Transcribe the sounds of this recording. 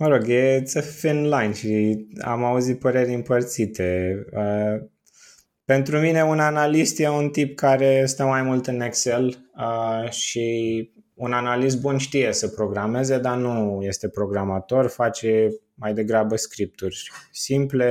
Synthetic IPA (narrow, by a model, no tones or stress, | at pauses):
məɾo̞ɡjet̪səfinlajnʃia̰mauzit̪̚pəɾe̞rʲɨmpərt̪sit̪e̞ə | pe̞nt̪ɾumine̞unanalist̪jeunt̪ip̚kaɾe̞st̪əmajmult̪ɨnekseləʃi | unanalis̬t̪̚bunʃt̪ije̞səpɾo̞ɡɾame̞ze̞d̪anuje̞st̪e̞pɾo̞ɡɾamat̪o̞rfat͡ʃe̞ | majd̪e̞ɡɾabəskɾip̚t̪urʲsimple̞